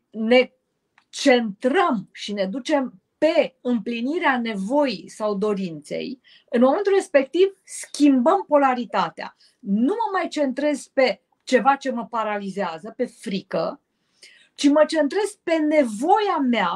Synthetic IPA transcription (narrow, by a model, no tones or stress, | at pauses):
ne̞ | t͡ʃe̞nt̪ɾəmʃine̞d̪ut͡ʃe̞m | pe̞ɨmpliniɾeane̞vo̞jisawd̪o̞ɾint̪se̞̰j | ɨnmo̞me̞nt̪ulre̞spe̞k̚t̪ivskʲimbəmpo̞laɾit̪at̪ea̰ | numəmajt͡ʃe̞nt̪ɾe̞z̥pe̞ | t͡ʃe̞vat͡ʃe̞məpaɾalizeazəpe̞fɾikə̰ | t͡ʃimət͡ʃe̞nt̪ɾe̞z̥pe̞ne̞vo̞jamea